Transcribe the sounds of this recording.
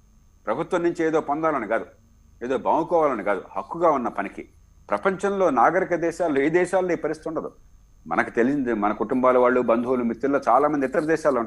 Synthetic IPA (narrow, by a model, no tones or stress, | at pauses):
pɾɐbʱut̪ʋɐmnːuɲt͡ʃieːd̪o̞ːpɔnd̪aːlɐniɡaːd̪u | eːd̪o̞ːbɐːmukɔːʋaːlɐniɡaːd̪ṵhɐkːuɡaːunːɐpɐnikḭ | pɾɐpɐɲt͡ʃɐnlo̞ːnaːɡɐɾikɐd̪ɛːʃaːlːoːeːd̪ɛːʃaːlːoiːpɐɾist̪it̪uɳɖɐd̪u | mɐ̰nɐkit̪elit͡ʃind̪imɐnɐkuʈumbaːlɐʋaːɭːubɐnd̪ʱuːlumit̪ːulːoːt͡ʃaːlaːmɐnd̪it̪ːɐɾɐd̪ɛːʃaːlɳ